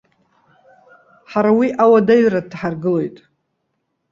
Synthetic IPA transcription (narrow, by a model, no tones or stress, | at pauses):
ħaɾawiʔawadaɥradħarɡɨlo̞jtʼ